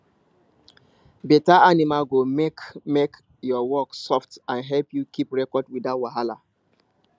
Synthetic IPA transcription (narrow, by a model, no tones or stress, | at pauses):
betaʔanimalɡomekmek | jɔwɔksɔftãnɦɛlpjukʰipɹɛkɔdwidatwaɦala̰